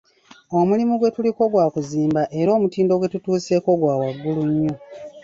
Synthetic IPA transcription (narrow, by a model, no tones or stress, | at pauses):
o̞mulimuɡwe̞tuliko̞ɡwaːkuziːmbaʔe̞ɾo̞ːmutiːndo̞ɡwe̞tutuːse̞ko̞ɡwaːwaɡːuluɲːo